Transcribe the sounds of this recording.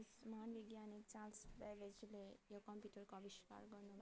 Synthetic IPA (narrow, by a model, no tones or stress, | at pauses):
smɦanʋiɡjanik̚t͡ʃãlsbɛʋed͡ʒlejokʌmpjuʈəɾkoʌbiʃka̰ɾɡʌɾnul